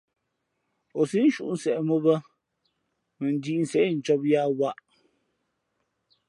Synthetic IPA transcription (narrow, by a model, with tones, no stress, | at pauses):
o˨si˦n˦ʃṵ˦ʔn̩˦sɛ˨ʔmo˦bə˦ | mə˨n̩˨di˦˨n̩˨sɛ˨ʔn̩˨t͡ʃɔ˦p̚ja˦wa˦˨ʔ